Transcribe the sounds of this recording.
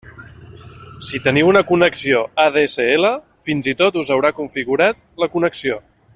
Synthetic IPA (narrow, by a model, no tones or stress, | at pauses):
sit̪əniwunəkunəksioaðesəelə | finzit̪ot̪uzəwɾakuɱfiɣuɾat̪̚ləkunəksio